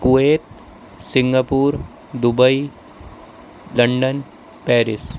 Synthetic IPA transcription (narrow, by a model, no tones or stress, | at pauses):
kuʋeːt̪ | sɪŋɡapuːɾ | d̪ubəi | lɐɳɖən | pɛːɾɪs